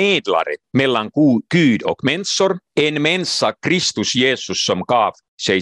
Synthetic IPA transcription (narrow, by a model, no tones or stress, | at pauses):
eːd̪lɑ̰ɾḭt̪melːɑŋkuːkyːd̪o̰kmensorenmensːɑkrist̪usjeːsːusːomkɑːf | se